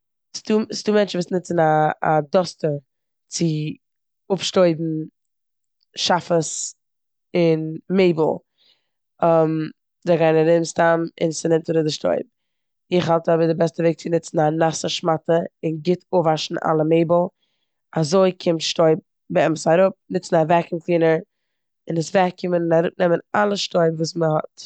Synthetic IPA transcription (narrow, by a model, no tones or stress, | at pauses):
stustuːmɛnt͡ʃn̩vuːsnɪt͡sn̩a̰ːdɔstəɾ | t͡sɪ | ʊpʃtoɪbn̩ | ʃafəs | ɪnmeɪbl̩ˠ | ɔm | zeɡaɪnaɾɪmstamɪ̰nsɪnɪmtəɾɪdɪʃtɔ̰ɪp̚ | ɪχhalˠtɔbədɪbɛstəveɪk̚t͡sɪnɪt͡sn̩anasəʃmatəɪnɡɪtʰovaʃn̩ʔa̰lˠəmeɪbl̩ˠ | azoɪkʰɪmtʃtɔɪp̚ | bəɛmsaɾʊp̚nɪt͡sn̩avɛkɪnklˠiːnəɾ | ɪnəsvɛkɪmənɪnaɾʊp̚nɛmənalˠəʃtɔɪpvuːsməhɔ̰t